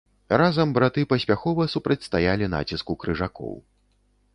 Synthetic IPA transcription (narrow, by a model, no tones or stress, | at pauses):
razɐmbɾat̪ɨpɐsʲpʲaxɔvɐsupɾɐt͡sʲst̪ajalʲina̰t͡sʲiskukɾɨʐakɔ̰w